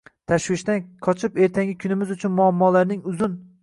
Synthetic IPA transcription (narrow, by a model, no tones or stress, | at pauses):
t̪ʰaʃwɪʃt̪anqʰɒt͡ʃʰɪpe̞ɾt̪ʰaŋʲɪkʰʊnɪmɪzʊt͡ʃʰʊnmʊamːɒlaɾnɪŋʊzʊn